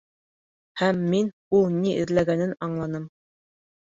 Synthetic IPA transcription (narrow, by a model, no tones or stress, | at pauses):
hæmːin | ulˠniʔɘ̆ɾlæɡænɘnɑɴlˠɑnɤm